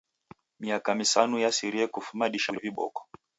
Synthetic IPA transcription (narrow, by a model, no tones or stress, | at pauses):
miakamisanujasiɾiɛkufumaɗiʃaliviɓɔ̰kɔ̥